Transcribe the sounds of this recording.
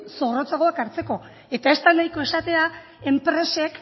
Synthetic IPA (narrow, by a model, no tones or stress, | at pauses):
so̞ɣrot͡saɣoakaɾt͡se̞ko̞ | e̞t̪ae̞st̪anajko̞e̞sat̪e̞a | e̞mpɾe̞se̞k